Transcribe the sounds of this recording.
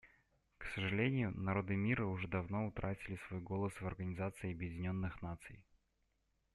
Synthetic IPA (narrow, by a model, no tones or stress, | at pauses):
ksəʐɨlʲenʲɪjʊnɐɾo̞d̪ɨmʲiɾəʊʐɛd̪ɐvno̞ʊt̪ɾʔatʲɪlʲɪsvo̞jɡo̞lˠəsvɐrɡənʲɪzat̪sɨɪɐbjɪdʲɪnʲo̞nːɨxnat̪sɨ̰j